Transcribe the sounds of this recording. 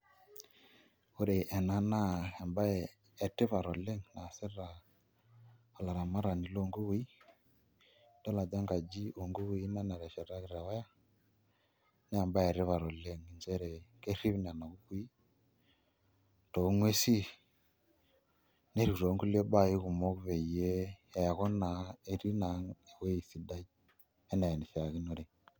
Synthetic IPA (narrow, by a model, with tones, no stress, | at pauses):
o˦ɾe˨ʔɛ˨na˦na˦e˨mbaː˦˨ | tɪ˦βa˨ɾo˨le˦ŋna˨se˦ɾa˨ | la˨ɾa˨ma˦ɾa˨ni˨lo˦ŋɡo˦wu˦i˦ | d̥a˦la˨d͡ʒa˦ŋɡa˨d͡ʒi˦o˨ŋɡu˦wu˦i˦na˦na˨ɾɛ˨ʃɛ˨ɾa˦ɣɾa˨wɛ˦ja˦ | neː˦˨mba˦e˨ɾe˦βa˨ɾo˨le˦ŋi˨nd͡ʒe˦ɾe˨ke˦ɾi˦βi˦n˨a˨na˨ɣu˦kwi˦ | to˨u˦ŋwe˦si˦ | ne˦ɾi˨u˨ɾo˨˦ŋɡu˦le˦ba˦˨ji˦ɣu˨mo˦ɣu˦βe˨i˨je˦˨ja˨ɣo˦na˨e˨ɾi˦na˨ŋe˨we˦i˨θi˦da˦ | e˦na˨e˨ni˨θi˨a˨ɣi˦no˦ɾi˨